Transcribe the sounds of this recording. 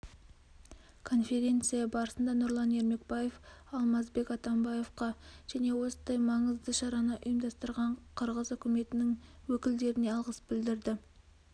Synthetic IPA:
kʰo̞nfʲe̞ɾʲe̞nt̪sɨjɑbɑɾəsənd̪ɑnʊɾlˠɑne̞ɾme̞k̚baje̞fɑlˠmɑzbe̞kɑt̪ɑmbɑje̞fqɑʒ̥æne̞wo̞sənd̪ɑjmɑɴəzd̪əʃɑɾɑnəʔʊjəmd̪ɑst̪əɾʁɑɴqʰəɾʁəzʏkʲɪme̞t̪ɪnɪŋwɵkʲɪld̪e̞ɾɪne̞ɑlˠʁəsbɪld̪ɪɾd̪ɪ

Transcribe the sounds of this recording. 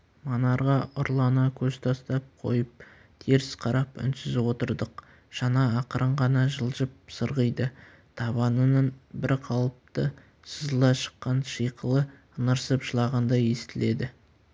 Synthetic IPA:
mɑnɑɾʁɑʔʊɾlˠɑnɑkʲʰɵzt̪ʰɑst̪ɑp̚qʰo̞̰jəp̚ | t̪ʰeɾɪsqʰɑɾɑpʏ̰nsɪzwo̞t̪əɾd̪əq | ʒ̥ɑnɑːqəɾʔəɴʁɑnɑʒəlˠʒəp̚səɾʁəjd̪ə | t̪ʰɑβɑnənənbɪɾqʰɑlˠəp̚t̪ə | səzəlˠɑʃə̥qːɑnʃijqʰəlˠə | ənəɾsəpʒəlˠɑʁɑnd̪ɑje̞st̪ɪle̞d̪ɪ

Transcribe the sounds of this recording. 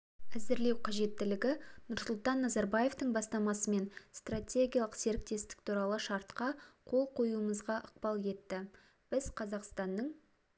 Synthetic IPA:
æzɪɾle̞wqʰɑʒe̞t̪ːɪlɪɡʲɪnʊɾsʊlˠt̪ɑnːɑzɑɾbɑje̞ft̪əɴbɑst̪ɑmɑsəme̞nst̪ratʲe̞ɡʲijalˠəqse̞ɾɪk̚t̪e̞st̪ɪ̥k̚t̪ʰuɾɑlˠəʃɑɾt̪qɑqʰo̞lˠqʰo̞juəməzʁɑʔəq̚pɑlˠje̞t̪ːɪ | b̥ɪz̥qʰɑzɑqst̪ɑnːəɴ

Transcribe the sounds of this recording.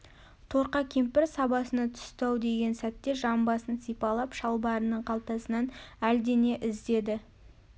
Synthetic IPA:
t̪ʰo̞ɾqɑkʲʰempɪɾsɑbɑsənɑt̪ʰʏ̥st̪ɑwd̪e̞ɡʲe̞nsæt̪ːe̞ʒɑmbɑsənsijpɑlˠɑpʃɑlˠbɑɾənəɴqʰɑlˠt̪ɑsənɑnæld̪e̞ne̞ʔɪzd̪e̞d̪ɪ

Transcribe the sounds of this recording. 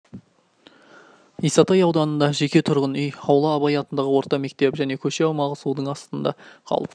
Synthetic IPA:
ijsɑt̪ɑjɑwd̪ɑnənd̪ɑʒe̞kʲe̞t̪ʰʊɾʁənʏjɑwlˠɑːbɑjɑt̪ənd̪ɑʁəwo̞ɾt̪ɑme̞k̚t̪e̞pʒæne̞kʲʰɵʃe̞ɑwmɑlˠʁəsud̪əɴɑst̪ənd̪ɑ̰qʰɑ̰lˠəp

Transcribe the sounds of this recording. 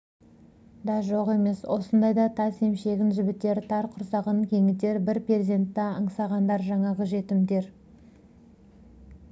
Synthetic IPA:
d̪ɑʒo̞ʁe̞me̞swo̞sənd̪ɑjd̪ɑt̪ʰɑse̞mʃe̞ɡʲɪnʒɪbɪt̪ːe̞ɾt̪ʰɑɾqʰʊɾsɑʁəŋkʲʰe̞ŋɪt̪e̞ɾbɪɾprezʲent̪ːɑəɴsɑʁɑnd̪ɑɾʒɑɴɑʁəʒe̞t̪ɪmd̪e̞ɾ

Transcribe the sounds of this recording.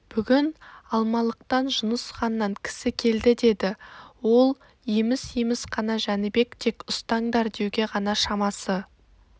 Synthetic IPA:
b̥ʏɡʲɪnɑlˠmɑlˠəq̚t̪ɑnʒʊnəsχɑnːɑŋkʲʰɪ̥sɪkʲʰe̞ld̪ɪd̪e̞d̪ɪwo̞lˠ | jemɪsjemɪsqʰɑnɑʒænɪbe̞kt̪ʰe̞kʊst̪ɑɴd̪ɑɾd̪e̞wɡʲe̞ʁɑnɑʃɑmɑsə

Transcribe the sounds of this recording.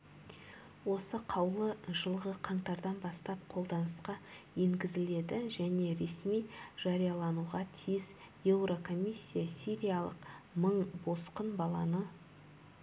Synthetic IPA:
wo̞səqʰɑwlˠəʒəlˠʁəqʰɑɴt̪ɑɾd̪ɑnbɑst̪ɑp̚qʰo̞lˠd̪ɑnəsqɑje̞ŋɡʲɪzɪle̞d̪ɪʒæne̞ɾe̞smijʒ̥ɑɾijɑlˠɑnuʁɑt̪ʰijɪz | je̞wro̞kʰo̞mʲisʲːijasʲiɾʲijɑlˠə̰qməɴbo̞sqənbɑlˠɑnə

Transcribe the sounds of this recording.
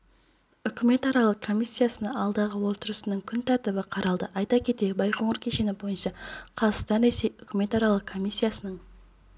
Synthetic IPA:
ʏkʲʰɪme̞t̪ɑɾɑlˠəq̚kʰo̞misʲːijasənɑɑlˠd̪ɑʁəwo̞lˠt̪əɾəsənəɴkʲʰʏnt̪ʰɑɾt̪ɪbɪqʰɑɾɑlˠd̪əʔɑjt̪ɑkʲʰe̞t̪e̞bɑjqʰo̞ɴəɾkʲʰe̞ʃe̞nɪbo̞jənʃɑqʰɑzəst̪ɑnɾe̞se̞jʏkʲɪme̞t̪ɑɾɑlˠəqkʰo̞mʲijsʲːijasənəɴ

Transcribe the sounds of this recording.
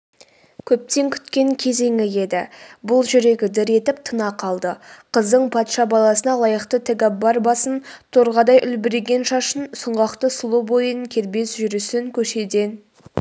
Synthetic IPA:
kʲʰɵp̚t̪e̞ŋkʲʰʏ̥t̪kʲe̞ŋkʲʰe̞ze̞ŋɪje̞d̪ɪbʊlˠʒʏɾe̞ɡʲɪd̪ɪɾe̞t̪ɪp̚t̪ʰənɑqʰɑlˠd̪əqʰəzd̪əɴpʰɑt̪ʃɑbɑlˠɑsənɑlˠɑjəqt̪ət̪ʰɪɡʲɑbɑɾbɑsənt̪ʰoɾʁɑd̪ɑjʔʏlbɪɾeɡʲe̞nʃɑʃənsʊɴʁɑqt̪əsʊlˠubo̞jəŋkʲʰe̞ɾbe̞sʒʏɾʏsɪŋkʲʰɵʃe̞d̪e̞n

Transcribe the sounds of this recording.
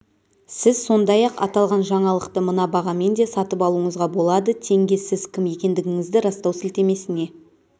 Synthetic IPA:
sɪz̥so̞nd̪ɑjɑqɑ̰t̪ɑlˠʁɑnʒɑɴɑlˠəqt̪əmənɑbɑʁɑme̞nd̪e̞sɑt̪əpɑlˠuəɴəzʁɑbo̞lˠɑd̪ət̪ʰe̞ŋɡʲe̞sɪz̥kʲʰɪmje̞kʲe̞nd̪ɪɡʲɪŋɪzd̪ɪɾɑst̪ɑwsɪlt̪e̞me̞sɪne̞

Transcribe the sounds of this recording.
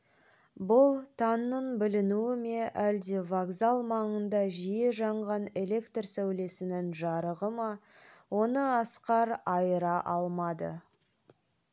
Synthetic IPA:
bʊlˠt̪ʰɑnːəɴbɪlɪnuɪme̞ʔæld̪e̞vaɡzalˠmɑɴənd̪ɑʒije̞ʒɑɴʁɑne̞le̞kt̪rsæwle̞sɪnɪŋʒɑɾəʁəmɑwo̞nəɑsqɑɾɑjəɾɑʔɑlˠmɑd̪ə̰

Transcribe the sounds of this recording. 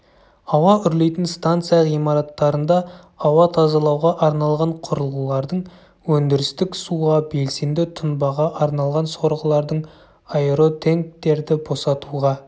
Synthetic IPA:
ɑwɑʏɾle̞jt̪ɪnst̪ant̪sɨjɑijmɑɾɑt̪ːɑɾənd̪ɑ | ɑwɑt̪ʰɑzɑlˠɑwʁɑʔɑɾnɑlˠʁɑɴqʰʊɾəlˠulˠɑɾd̪əɴ | wɵnd̪ɪɾɪst̪ɪksuʁɑbe̞lse̞nd̪ɪt̪ʰʊnbɑʁɑʔɑɾnɑlˠʁɑnso̞ɾʁəlˠɑɾd̪əɴ | ɑeɾo̞t̪ʰe̞ŋk̚t̪e̞ɾd̪ɪbo̞sɑt̪uʁɑ

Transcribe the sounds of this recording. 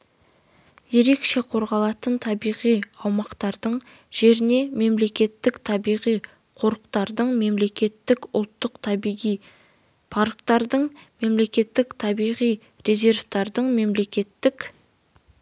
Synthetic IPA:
je̞ɾe̞kʃe̞qʰo̞ɾʁɑlˠɑt̪ənt̪ʰɑbijʁijɑwmɑqt̪ɑɾd̪əɴ | ʒ̥e̞ɾɪne̞me̞mle̞kʲe̞t̪ːɪkt̪ʰɑbijʁij | qʰo̞ɾəqt̪ɑɾd̪əɴme̞mle̞kʲe̞t̪ːɪkʊ̰lˠt̪ːəqt̪ʰɑbʁij | pʰaɾkt̪ɑɾd̪əɴme̞mle̞kʲe̞t̪ːɪkt̪ʰɑbijʁij | ɾe̞zʲe̞ɾft̪ɑɾd̪əɴme̞mle̞kʲe̞t̪ːɪk

